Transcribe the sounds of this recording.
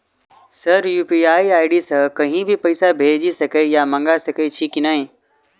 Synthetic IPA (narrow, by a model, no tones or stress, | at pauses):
sɐɾjuːpiaːiaːɪɽisɐ̃kɐɦĩbʱipɐɪsabʱeːd͡ʒisɐkejamɐ̃ŋɡasɐket͡ʃʰikinaːɦĩː